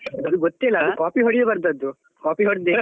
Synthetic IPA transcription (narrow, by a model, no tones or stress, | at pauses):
ɐd̪ɐd̪uɡot̪ːelɐdukaːpiɦɔɽid̪ebɐɾd̪ɐd̪u | kaːpiɦɔɽd̪e